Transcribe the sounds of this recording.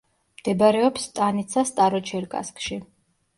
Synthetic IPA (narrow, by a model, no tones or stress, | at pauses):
md̪̥ɛbaɾɛɔpst̪ʼanit̪sʰast̪ʼaɾɔt͡ʃʰɛɾkʼa̰skʼʃi